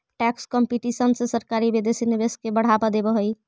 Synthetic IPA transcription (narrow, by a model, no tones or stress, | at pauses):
ʈɛkskɔmpiʈisənsẽsəɾkaɾibed̪esinebeskebəɽ̤abad̪ebɔɦoj